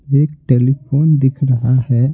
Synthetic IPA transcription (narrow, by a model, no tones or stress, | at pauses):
eːkʈeːlipʰoːnd̪ɪkʰɾɐɦahɛ